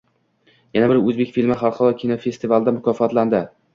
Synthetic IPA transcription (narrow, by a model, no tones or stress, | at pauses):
janabɪɾɵzbe̞kʲfilmɪχɑɾˠqʰɒɾɒkʲʰinofe̞st̪ivalˠɪd̪amʊkʰʲɒfɒt̪land̪ɪ